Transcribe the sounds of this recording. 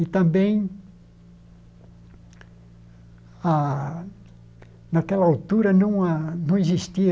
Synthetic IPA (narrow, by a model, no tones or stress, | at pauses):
it̪ɐ̃mbẽj̃ | a | nakɛlɐawt̪uɾɐnɐ̃w̃anɐ̃w̃izist̪iɐ